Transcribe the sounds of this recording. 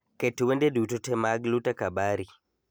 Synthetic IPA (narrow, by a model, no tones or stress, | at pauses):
ketwendedutotɛmaɡlutakabaɾi